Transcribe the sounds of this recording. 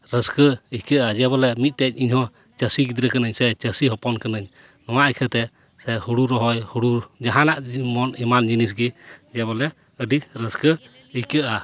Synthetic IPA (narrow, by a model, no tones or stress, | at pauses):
ɾəskəihkəʔad͡ʒɛbɔlɛmit̪̚ˀt̪ɛɲ̚iɲhɔ̃ | t͡ʃəsiɡid̪ɾəkanəɲsɛt͡ʃəsiɦɔpɔnkanəɲ | nɔwaʔəkʰət̪ɛ | sɛhuɽuɾɔɦɔjhuɽud͡ʒaɦãlaʔmɔnɛmand͡ʒinis̬ɡid͡ʒɛbɔlɛ | əɖiɾəskə | ihkəʔa